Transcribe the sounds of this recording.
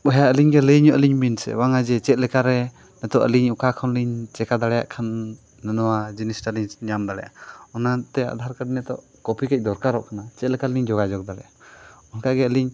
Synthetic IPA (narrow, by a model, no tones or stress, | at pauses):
ɔɦjaəliɲɡɛləɲɔʔəliɲminsɛ̰waŋad͡ʒɛt͡ʃɛt̪̚lɛkaɾɛ | nɛt̪ɔʔə̰liɲukakʰɔnliɲt͡ʃɛkad̪aɽɛja̰ʔkʰanː | ənɔwad͡ʒinisʈaliɲɲamd̪aɽɛja̰ɔnat̪ɛa̰d̪ʱaɾkəɖnɛt̪ɔ̰ʔ | kɔpʰikɛc̚d̪ɔɾkaɾɔʔkanat͡ʃɛt̪̚lɛkaliɲd͡ʒɔɡad͡ʒɔk̚d̪aɽɛ̰jaɔnkaɡɛəliɲ